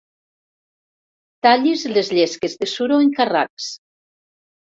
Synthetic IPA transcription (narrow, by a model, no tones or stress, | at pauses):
t̪aʎizlezʎɛskezðəsuɾoeŋkara̰ks